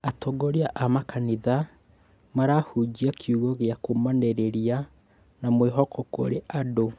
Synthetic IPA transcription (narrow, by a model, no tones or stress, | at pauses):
atoɡoɾiaʔamakʰaniða | maɾahud͡ʒiakʰiuɣɔɣeakomaneɾeɾia | namweɦɔkɔko̰ɾeʔado